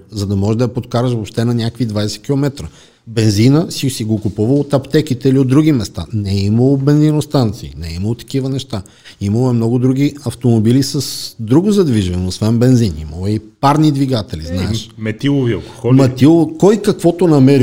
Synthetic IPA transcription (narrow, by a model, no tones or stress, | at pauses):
zɐd̪ɐmɔʒɛd̪ɐɐpot̪kaɾəʃvopʃt̪ɛnɐnʲakvid̪vaɛsɛ̥kʲilˠomɛt̪ɾə | bɛnzinəsisiɡokupuvəlot̪ɐpt̪ɛkit̪ɛiliod̪ɾuɡʲimɛst̪a̰nɛiməlˠobɛnzinost̪ant̪sḭːnɛiməlˠot̪ɐ̥k̟ivənɛʃt̪a | iməlˠoɛmnɔɡʊd̪ɾuɡ̟iɐft̪omobilisɐsd̪ɾuɡʊzɐd̪viʒvɐnoosvɛnbɛnzinḭməlˠoɛipaɾnid̪viɡat̪ɛlḭznaɛʃmɛt̪ilˠoviɐlˠko̥xɔmɐt̪ilˠokɔjkɐkvɔt̪onɐmɛɾi